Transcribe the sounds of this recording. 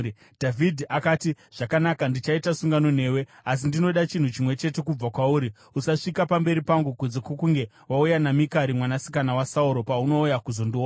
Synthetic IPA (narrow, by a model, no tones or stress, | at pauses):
dʱavʱidʱiʔakaːti | ʐ̥akanakandit͡ʃaitasuŋɡano̞n̤e̞ːwe̞as̬indino̞ɗat͡ʃin̤ut͡ʃimwe̞t͡ʃe̞te̞kub͡vakwauːɾi | usaʂikapambe̞ɾipaŋɡukud͡zekwokuŋɡe̞ | waujanamikaɾimwanasi̥kanawasauɾo̞pauno̞ujakuzo̞ndu